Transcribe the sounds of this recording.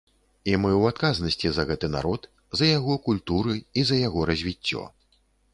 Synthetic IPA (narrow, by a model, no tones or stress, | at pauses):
imɨwat̪̚kaznɐsʲt͡sʲizɐɣɛt̪ɨna̰ɾɔt̪ | zɐjaɣɔkulʲt̪uɾɨizɐjaɣɔɾɐzʲvʲit͡sʲːɔ̰